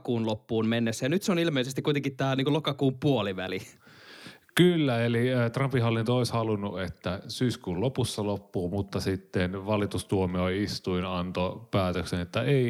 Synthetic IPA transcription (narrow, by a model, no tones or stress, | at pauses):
kuːnlopːuːnmenːesːæjɑnyt̪seonilmeˑisest̪ikuit̪eŋkit̪t̪æːniːkulokɑkuːmpuoliʋæ̰li | kylːæeliːt̪rɑmpihɑolint̪oˑishɑlunːuet̪ːæsyːskuːllopusːɑlopːuːmut̪ːɑsit̪ːenʋɑlit̪ust̪uomioiist̪uinɑnt̪opæːt̪øksenet̪ːæeˑi